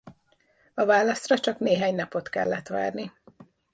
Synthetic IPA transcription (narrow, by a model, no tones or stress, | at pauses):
ɒvaːlɒst̪rɒt͡ʃɒkneːɦaːɲnɒpo̞t̪kɛ̰lːɛt̪ʋa̰ːrni